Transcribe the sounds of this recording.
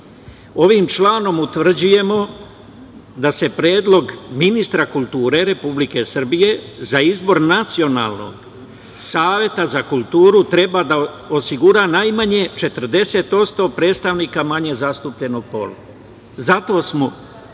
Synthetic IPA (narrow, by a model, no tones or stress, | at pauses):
o̞ʋimt͡ʃlaːno̞mut̪ʋr̩d͡ʑuje̞mo̞ | d̪ase̞pɾjeːd̪lo̞ɡminist̪ɾakulˠt̪uːɾe̞ɾe̞publike̞sr̩bije̞zaizbo̞ɾnat̪sio̞na̰ːlˠno̞̰ɡ | saːʋje̞t̪azakulˠt̪uːɾut̪ɾe̞bad̪a | osiɡuɾaːnajmaɲe̞t͡ʃe̞t̪r̩d̪e̞se̞t̪o̞t̪st̪o̞pɾe̞ːd̪st̪aʋniːkamaɲe̞zast̪uːpʎe̞noɡ̚po̞̰lu | zat̪o̞ːsmo